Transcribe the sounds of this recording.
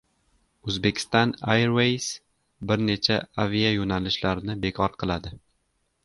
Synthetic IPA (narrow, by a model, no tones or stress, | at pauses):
ɵzbe̞kʲʰɪ̥st̪ɒnajɾwejs | bɪɾne̞t͡ʃʰaavijajonalɪʃlaɾɪnɪbe̞kʰɒɾqʰɨlˠad̪ɪ